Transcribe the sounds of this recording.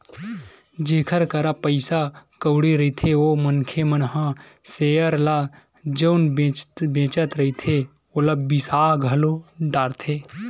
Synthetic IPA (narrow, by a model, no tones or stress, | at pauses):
d͡ʒeːkʰəɾkəɾapəɪsakəʊɽeɾɐit̪ʰeoːmənkʰemənɦã | seːjəɾla | d͡ʒəʊnbet̪bẽːt͡ʃət̪ɾəɦit̪ʰe | oːlabisaːɡʱəloɖaːɾt̪ʰeː